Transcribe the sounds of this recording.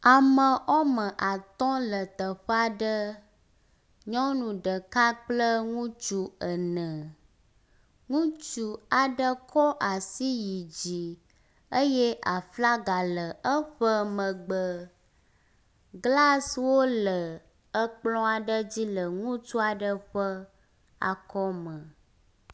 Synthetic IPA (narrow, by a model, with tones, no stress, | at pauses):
a˨mə̃˨ʔɔ˦mə̃˨ʔa˨t̪ɔ̃˦lə˨t̪ə˨ɸə˦a˨ɖə˦ | ɲɔ̃˦nũ˨ɖə˨ka˦k͡plə˦ŋũ˦t͡ʃu˦ə˨nə̃˨ | ŋũ˦t͡ʃu˨a˨ɖə˦kʰɔ˦ʔa˨si˦ji˨d͡ʑi˨ | ə˦jɛ˦ʔa˨fla˦ɡa˨lə˨ə˦ɸə˦mə̃˨ɡ͡bə˨ | ɡla˦swo˦lə˨ | ə˦k͡plɔ̃˦a˨ɖə˦d͡ʑi˦lə˨ŋũ˦t͡ʃu˦a˨ɖə˦ɸə˦ | a̰˨kɔ˦mə̃˨